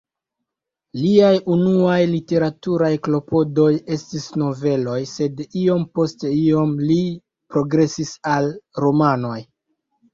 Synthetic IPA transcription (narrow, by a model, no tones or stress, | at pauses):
liajunuajlite̞ɾatuɾajklo̞po̞do̞je̞stisno̞ve̞lo̞jse̞dio̞mpo̞ste̞io̞mli | pɾo̞ɡɾe̞sisalɾo̞mano̞j